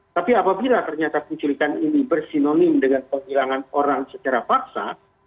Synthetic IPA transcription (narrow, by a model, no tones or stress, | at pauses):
t̪apiapabilat̪ərɲat̪akuɲt͡ʃulikaninibərsinonɪmdəŋanpəŋɦilaŋanoɾaŋsət͡ʃaɾafaksa